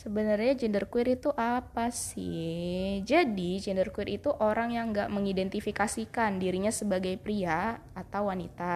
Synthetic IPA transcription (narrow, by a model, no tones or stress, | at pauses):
səbənərɲad͡ʒɛndərkuɪɾit̪uʔapasɪ | d͡ʒadid͡ʒɛndərkuɪɾit̪uʔoɾaŋjaŋɡaʔməŋidɛnt̪ifikasikandiɾiɲasəbaɡajpɾiaː | t̪awwanḭt̪a